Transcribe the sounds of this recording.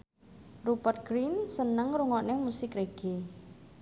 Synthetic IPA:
rupərt̪̚ɡ̥ɾinsənəŋɾuŋɔʔnɪmusɪkɾeɡ̥e

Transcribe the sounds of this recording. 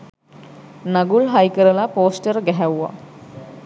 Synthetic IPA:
naɡulɦajkəɾəlapoːsʈəɾɡɛɦɛwːa̰

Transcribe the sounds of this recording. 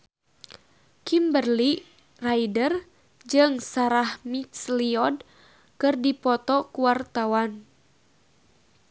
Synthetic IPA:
kimbərli | raidər | d͡ʒɨŋsaɾahmit̪sliɔd | kɨrdipɔt̪ɔkuwart̪awan

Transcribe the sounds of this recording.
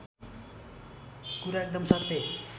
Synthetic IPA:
kuɾaek̚d̪ʌmsʌrt̪e

